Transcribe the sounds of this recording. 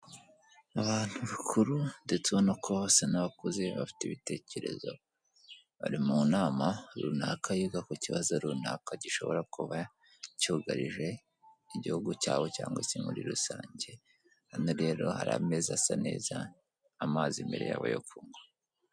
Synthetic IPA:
aβaːn̥huβikʰuɾundet͡suβonakʰo̞βosenaβakoze̞βafi̥teβite̞ːce̞ɾe̞̰zo̞̰ | βa̰ɾimunaːmaɾṵnakʰajuɡakuciβazoɾunakaɟiʃo̞̰βoɾakuβa | cuːɡaɾiʒe̞ | iɟihuɡucaːwoca̰ːŋɡwesimuɾiɾusaːɲɟe̞ | hanoɾe̞ːɾo̞̰haɾa̰me̞zasane̞̰ːzaː | maːzimbe̞ɾe̞ja̰βa̰jofuːŋɡa

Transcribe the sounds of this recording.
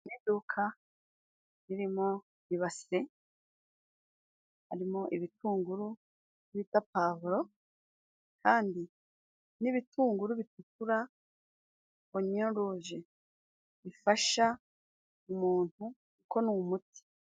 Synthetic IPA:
nidukʰa | ɾiɾimo | iβase | haɾimoʔiβitʰuːŋɡuɾu | βitapavuɾo̞ | kʰaːndi | niβituːŋɡuɾuβitukuɾa | oɲonɾuʒe | ifaʃa | umuːn̥hu | kukʰo̞numuti̥

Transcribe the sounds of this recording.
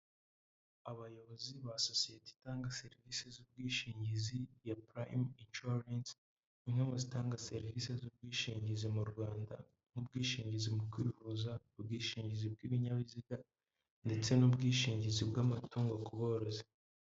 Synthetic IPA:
aβajo̞βo̞ziβasosijeti̥taːŋɡase̞ɾivisezub̚ɡiːʃiːɲɟizijapɾajminʃuɾans | iŋhemozitaːŋɡase̞ɾivise̞zub̚ɡiːʃiːɲɟizimuɾɡwaːnda | n̥hubɡiːʃiːɲɟizimukwiːvuzaubɡiːʃiːɲɟizib̚ɡiːβiɲaβiziɡa | nde̞t͡se̞nubɡiːʃiːɲɟizibɡamatuːŋɡakuβoɾoze̥

